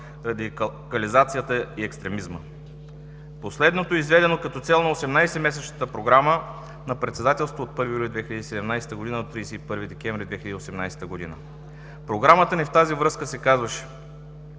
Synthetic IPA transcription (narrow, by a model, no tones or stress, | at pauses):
ɾɐd̪ikɐlizat̪sijət̪əiɛkst̪ɾɛmizmə̰ | poslɛd̪not̪oizvɛd̪ɛnokɐt̪ɔt̪sɛlˠnɐosɛmnajsɛmɛsɛt͡ʃnət̪əpɾoɡɾamə | nɐpɾɛt̪sɛd̪at̪ɛlˠst̪vot̪̚pɤɾvijulʲid̪vɛxʲilʎəd̪isɛd̪ɛmnajsɛ̥t̪əɡod̪inəd̪ot̪ɾid̪ɛsɛipɤɾvid̪ɛkʲɛɱvɾʲid̪vɛxiləd̪iosɛmnajsɛ̥t̪əɡod̪ḭnə̰ | pɾoɡɾamət̪ənift̪azivɾɤskəsɛkazvəʃɛ̥